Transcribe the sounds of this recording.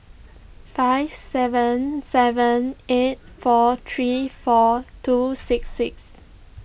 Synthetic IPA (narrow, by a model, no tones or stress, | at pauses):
faɪv̥sɛvə̃nsɛvə̃net̚fɔt̪ʰɹifɔtʰusɪksːɪks